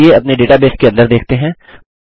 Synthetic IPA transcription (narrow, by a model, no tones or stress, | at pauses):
eɐpneɖeːʈabeːskeɐ̃nd̪əɾd̪eːkʰt̪eɦɛ̃ː